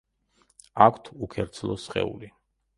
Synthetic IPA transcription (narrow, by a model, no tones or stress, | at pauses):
akʰt̪ʰukʰɛɾt̪sʰlˠɔsχɛ̰ṵli